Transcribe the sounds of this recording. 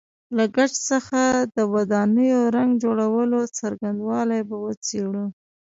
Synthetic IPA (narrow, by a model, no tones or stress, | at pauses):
laɡaʈ͡ʂsəxad̪əwad̪ɑnəjoɾaŋɡd͡ʒoɽawəlot͡saɾɡand̪wɑlajbawət͡seɽu